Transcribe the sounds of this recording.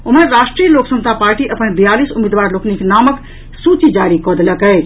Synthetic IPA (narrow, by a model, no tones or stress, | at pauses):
uməɾɾaːʃʈɾijəloːksə̃mst̪ʰapaːɾʈiʔəpənbijaːliːsumid̪ʋaːɾlokniknaːmək | suːt͡ʃid͡ʒaːɾikɔd̪eləkəe